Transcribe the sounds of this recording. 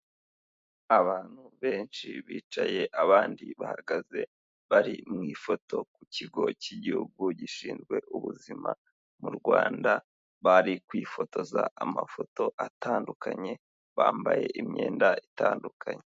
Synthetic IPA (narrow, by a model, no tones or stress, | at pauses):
aβaːn̥huβe̞ːnʃiβiːt͡ʃaje̞ʔaβaːndiβahaɡaze̞ | βaɾimŋiːfo̞tʰo̞kuciɡo̞ciɟihuɡuɟiʃiːnzɡwe̞ʔuβuzima | muɾɡwaːnda | βaɾikwiːfo̞to̞zaamafo̞to̞ʔatʰaːndukʰaɲe̞ | βaːmbaje̞ʔimɲeːndaʔitaːndukʰaɲe